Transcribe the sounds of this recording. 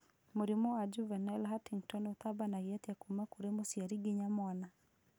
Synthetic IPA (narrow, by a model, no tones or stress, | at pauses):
moɾimɔad͡ʒuvanɛlɦatiŋtɔnot̪abanaiat̪jakumakuɾemosjaɾiɡeɲamwana